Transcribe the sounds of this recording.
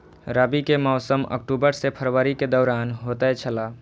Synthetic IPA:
ɾəbikemɔːsəmə̰k̚ʈubəɾsepʰəɾwəɾiked̪ɔːɾaːnɦot̪ɛt͡ʃʰəla

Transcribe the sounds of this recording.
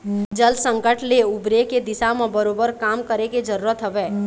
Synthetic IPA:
d͡ʒəlsə̃ŋkəʈleʊbɾeked̪ɪsamẽbəɾoːbəɾkaːmkəɾeked͡ʒəɾuːɾət̪ɦəʋeː

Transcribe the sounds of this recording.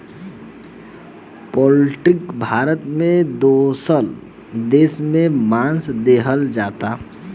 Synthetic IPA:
pɔːlɪʈɪkbʱaːɾət̪mẽd̪oːsəl | d̪eːsmẽmãːnsd̪eːɦəld͡ʒaːt̪aː

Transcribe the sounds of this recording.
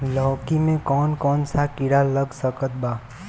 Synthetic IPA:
lɔːkimẽkɔːnkɔːnsakɪɽaləɡsəkət̪̚baː

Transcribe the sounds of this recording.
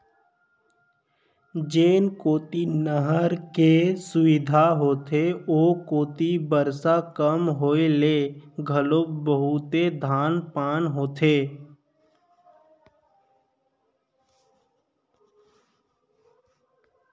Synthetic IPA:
d͡ʒeːnkoːt̪inəɦəɾkesʊʋɪd̪ʱaɦoːt̪ʰeoːkoːt̪ibəɾsakəmɦoːeleɡʱəloːbəɦut̪ed̪ʱaːnpaːnɦoːt̪ʰeː

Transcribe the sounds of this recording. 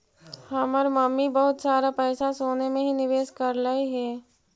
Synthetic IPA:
həməɾməmːibɐɦʊt̪saːɾapɛːsasoːnemẽɦinɪʋeːskəɾlaiɦɛː

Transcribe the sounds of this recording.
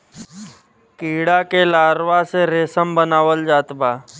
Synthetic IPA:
kiːɽakelaːɾʋaseɾeːsəmbənaːʋəld͡ʒaːt̪baː

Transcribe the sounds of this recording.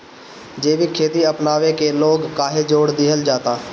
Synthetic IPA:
d͡ʒeːbikʰeːt̪iəpnaːʋekeloːɡkaːɦed͡ʒoːɽd̪ɪɦəld͡ʒaːt̪aː

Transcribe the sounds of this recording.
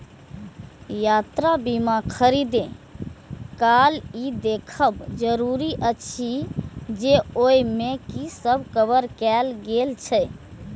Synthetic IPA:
jat̪ɾabimakʰəɾid̪ẽ | kaːlid̪ekʰəbd͡ʒəɾuɾiʔət͡ʃʰid͡ʒeoimẽkisəbkəbəɾkɛlɡelt͡ʃʰə

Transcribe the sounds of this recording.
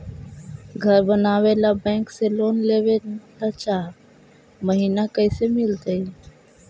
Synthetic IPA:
ɡʱəɾbənaːʋelabɛ̃ːŋkseloːnleːʋed̪at͡ʃaː | məɦiːnakəɪsemɪlt̪əi

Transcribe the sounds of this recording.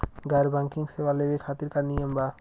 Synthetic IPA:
ɡaɾbaŋkiŋsewalebekʰat̪iɾkanijamba

